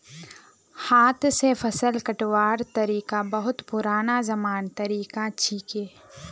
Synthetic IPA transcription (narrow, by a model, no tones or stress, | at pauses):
haːt̪ʰsepʰɐsəlkɐʈʋaːɾt̪ɐɾiːkabɐɦʊt̪pʊɾaːnazɐmaːnt̪ɐɾiːkat͡ʃʰiːkeː